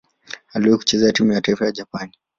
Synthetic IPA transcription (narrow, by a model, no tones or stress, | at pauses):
aliwɛiku̥t͡ʃɛzɛatimujataifajad͡ʒapani